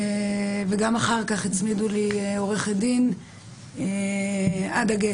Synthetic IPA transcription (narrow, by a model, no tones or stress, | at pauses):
veɡamaχaʁkaχit͡smidulio̞ʁeχed̪in | adaɡe